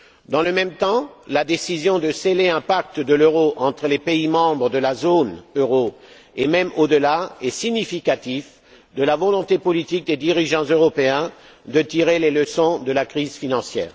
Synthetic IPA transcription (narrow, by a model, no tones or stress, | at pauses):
d̪ɑ̃ləmɛmt̪ɑ̃lad̪esizjɔ̃d̪əseleɛ̃pak̚t̪d̪əløʁoʔɑ̃t̪χəlepeimɑ̃bʁəd̪əlazonøʁo | emɛmod̪əlaɛsiɲifikat̪if | d̪əlavɔlɔ̃t̪epɔlit̪ik̚d̪ed̪iʁiʒɑ̃zøʁɔpeɛ̃ | d̪ət̪iʁeleləsɔ̃d̪əlakχizfinɑ̃sjɛ̰ːʁ